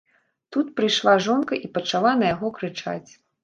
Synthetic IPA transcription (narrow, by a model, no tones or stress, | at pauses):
t̪ut̪pɾɨjʂlˠaʐɔnkɐʔipɐt͡ʂalˠanɐjaɣɔkɾɨt͡ʂa̰t͡sʲ